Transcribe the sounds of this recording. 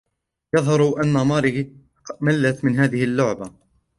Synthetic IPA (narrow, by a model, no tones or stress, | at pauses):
jɑðˤhɑɾˤʔanːamɑːɾɪ | malːat̪mɪnɦaːðɪhɪlːʊʕba